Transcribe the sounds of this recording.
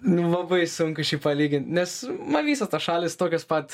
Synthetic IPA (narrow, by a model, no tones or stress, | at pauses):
nʊlˠɐbɐɪsʊŋkʊʃʲiːpɐlʲiːɡʲɪnʲt̪ʲnʲɛsmɐnʋʲiːsɐt̪ɐsʃɑːlʲɪst̪oːkʲospɐt̪